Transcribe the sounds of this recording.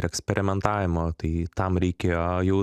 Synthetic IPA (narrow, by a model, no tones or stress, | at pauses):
ɾɛksʲpʲɛɾʲɪmʲɛnt̪ɑːʋʲɪmoːt̪ɐɪt̪ɐmɾʲɛɪkʲeːjojɛʊ